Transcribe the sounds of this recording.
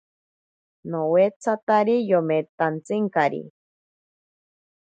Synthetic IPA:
nowet͡sʰat̪aɾijomet̪ant͡sɨŋkaɾḭ

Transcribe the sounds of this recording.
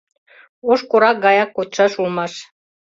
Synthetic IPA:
oʃkuɾɑk̚ɡɑjɑkːot̪ʃɑʃulˠmɑʃ

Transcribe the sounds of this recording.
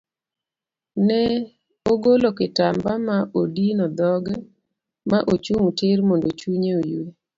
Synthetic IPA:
nɛ | oɡolokɪtambamaʔodinɔd̪ɔɡɛ | maʔot͡ʃuŋutɪɾmondot͡ʃuɲeoje

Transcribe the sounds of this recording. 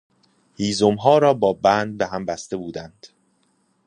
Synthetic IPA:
hiːzomɦɒːɾɒːbɒːbæːnd̪̚beɦæmbæst̪e̞buːd̪ænd̪̥

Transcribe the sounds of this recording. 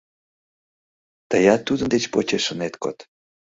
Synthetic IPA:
t̪əjɑt̪ːud̪ənd̪et͡ɕpot͡ɕeʃənet̪ko̰t̪

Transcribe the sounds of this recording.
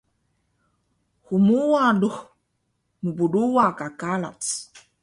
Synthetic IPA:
humuwaduh | mubuduwakakala̰tt͡s

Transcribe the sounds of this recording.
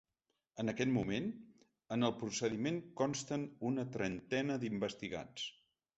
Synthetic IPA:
ənəkɛt̪mumen | ənəlˠpɾusəðimenkɔnst̪ənunət̪ɾənt̪ɛnəd̪imbəst̪iɣa̰t͡s

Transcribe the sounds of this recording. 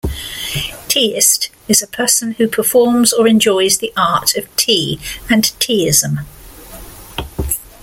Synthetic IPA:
tʰiːɪst | ɪzəpʰɜˑsə̃nhʉpʰəfɔːmzəɹɛ̃nd͡ʒɔɪzðiʔɑˑtʰəv̥tʰiːə̃ntʰiːɪzə̃m

